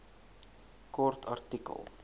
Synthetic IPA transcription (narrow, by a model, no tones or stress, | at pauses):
kɔrtʰɐ̰rtikə̰lˠ